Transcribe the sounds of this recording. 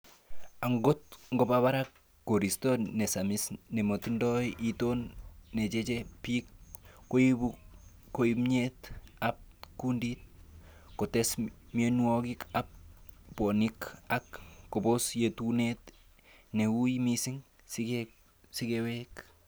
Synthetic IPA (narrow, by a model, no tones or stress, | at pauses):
aŋɡot̚ŋɡopaβaɾakː | oɾistonesamisnemotindɔʔitonːet͡ʃet͡ʃepikːo | koimɲetap̚kundit̚ | kotesmienuokikap̚ːonikakːobosjetunet | neujmisiŋ | sike | sikewek